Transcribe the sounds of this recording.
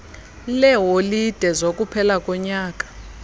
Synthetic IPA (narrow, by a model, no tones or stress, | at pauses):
lɛɦolid̥ʱɛzokʼupʰɛlakʼɔɲaːkʼḁ